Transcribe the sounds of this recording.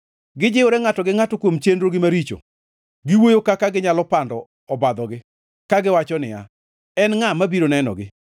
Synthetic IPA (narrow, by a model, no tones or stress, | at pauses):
ɡɪd͡ʒɪʊɾɛŋatɔɡɪŋatɔkwomt͡ʃendɾoɡɪmaɾit͡ʃo̰ | ɡɪwojokakaɡɪɲalɔpandɔ | ɔbad̪ɔɡɪ | kaɡɪwat͡ʃɔnɪja̰ | ɛnŋamabiɾonɛnɔ̰ɡɪ